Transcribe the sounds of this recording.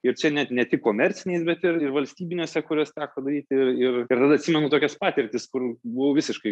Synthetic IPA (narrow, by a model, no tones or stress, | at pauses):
ɪɾt͡ʃʲɛnʲɛtnʲɛt̪ʲɪkkːoːmʲɛɾʲtt͡s̪ʲɪnʲɛɪsbʲɛt̪ɪrɪrʋɐlʲsʲt̪ʲiːbʲɪnʲuːsʲɛkʊɾʲoːst̪ʲæːkːd̪ɐɾʲiːt̪ʲɪrɪrɪɾt̪ɐd̪ɐt̪ʲsʲiːmʲɛnʊt̪oːkʲɛspɑːt̪ʲɪɾʲt̪ʲɪskʊrbʊʋoːʋʲɪsʲɪʃkɐɪ